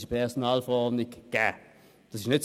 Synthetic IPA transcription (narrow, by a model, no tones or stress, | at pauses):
ʃəpʰɛʁsonɑːlfəʁɔʁdnɪɡɡ̥æː | d̥ɑsɪʃnɪts